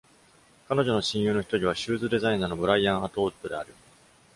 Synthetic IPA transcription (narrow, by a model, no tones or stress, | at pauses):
kanoʑo̞no̞ɕĩɰ̃jɯːno̞çi̥t̪o̞ɾʲiβ̞aɕɨːzɨd̪e̞zaĩnaːno̞bɯ̟ɾaiãɰ̃at̪o̞ːt̪ːo̞d̪e̞a̰ɾɯ̟